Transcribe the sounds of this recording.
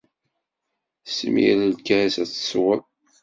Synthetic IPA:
smḭɾəlkæɾsæt͡sːə̥swəl

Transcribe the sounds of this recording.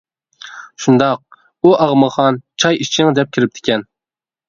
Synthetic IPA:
ʃund̪ɑq̚ | uʔɑʁməχɑnt͡ʃʰɑjit͡ʃʰiŋd̪ɛp̚kʲʰiɾɪp̚t̪ʰɪ̥kʲʰɛn

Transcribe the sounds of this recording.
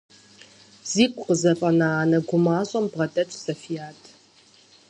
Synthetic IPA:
z̥iːkʷʼqəzɐfʼɐnaaːnɐɡʷʊmaːɕʼɐmbʁɐdʼɐt͡ʃʷʼsɐfijaːtʰ

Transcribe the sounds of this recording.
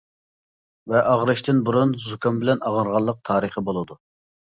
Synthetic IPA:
vɛʔɑʁɾɨʃt̪ʰɪnbuɾunzukʲɑmbɪlɛnɑʁəɾʁɑlˠːəq̚t̪ʰɑːɾɨχəbolˠɨd̪u

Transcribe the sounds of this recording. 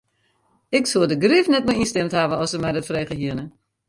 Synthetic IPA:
ɪksuədəɡrifnɛtmɛinstɛmthaʋəɔsəmɛjdɔtfreːχəɦiənə

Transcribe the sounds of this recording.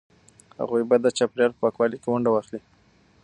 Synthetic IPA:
ha̰ɣujbad̪ət͡ʃɑpljɑɾpəpɑkwɑlikewaɳɖawɑxli

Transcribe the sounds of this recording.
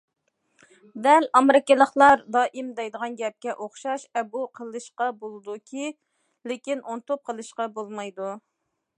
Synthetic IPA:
d̪ɛlɑmɾɨkʲɪlˠəχlˠɑɾd̪ɑːʔimd̪ɛjd̪əʁɑnɡʲɛp̚kʲɛʔoχʃɑʃɛbuqʰəlˠɨʃqɑbolˠɨd̪ukʲʰi | lɪkʲinont̪op̚qʰəlˠɨʃqɑbolˠmɑjd̪u

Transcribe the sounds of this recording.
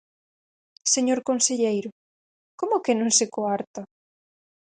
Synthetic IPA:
seɲoɾkonseʎejɾʊ | komʊkɪnõŋsekoaɾt̪ɐ

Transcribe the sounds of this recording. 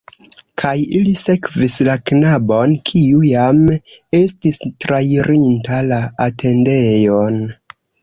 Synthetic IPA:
kʰajilise̞kvislaknabo̞nkʰiujame̞stistɾajɾintalaːtʰe̞nde̞jon

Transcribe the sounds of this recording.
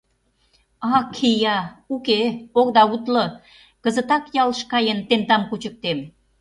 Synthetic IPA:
ɑkʰijɑukeokd̪ɑut̪lə | kə̆zə̆t̪ɑkjɑlʃkɑjənt̪ent̪ɑmkut͡ɕə̆k̚t̪em

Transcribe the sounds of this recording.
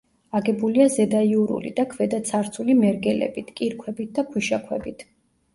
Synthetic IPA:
aɡɛbuliazɛd̪aiuɾṵlḭd̪akʰvɛd̪at̪sʰaɾt̪sʰulimɛɾɡɛlɛ̰bit̪ʰkʼiɾkʰwɛbit̪̚d̪apʰuʃakʰwɛbit̪ʰ

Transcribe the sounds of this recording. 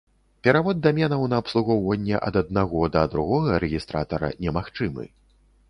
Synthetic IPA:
pʲɛɾavɔd̪̚ːamʲɛnɐwnɐːpslˠuɣɔwvɐnʲːɛʔɐ̰d̪ɐd̪̚naɣɔd̪ɐd̪ɾuɣɔɣɐɾɛɣʲist̪ɾa̰t̪ɐɾɐ̰nʲɛmaxt͡ʂɨmɨ̰

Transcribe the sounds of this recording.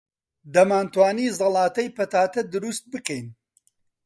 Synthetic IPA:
d̪ɐmaːnt̪waːniːzɑlˠɑːt̪ɐjpɐt̪aːt̪ɐd̪ɨɾust̪̚bɨkɛjn

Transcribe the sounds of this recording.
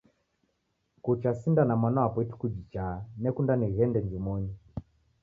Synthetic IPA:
kut͡ʃasindanamanɔapɔitu̥kud͡ʒit͡ʃanɛkundaniɣɛndɛnd͡ʒumɔɲi

